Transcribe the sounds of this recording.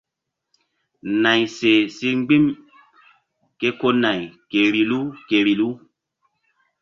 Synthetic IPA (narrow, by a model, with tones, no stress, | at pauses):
na˨jse˨si˦ŋ͡mɡ͡bĩ˦m | ke˦ko˦na˨jke˨ɾi˨lu˦ke˨ɾi˨lu˦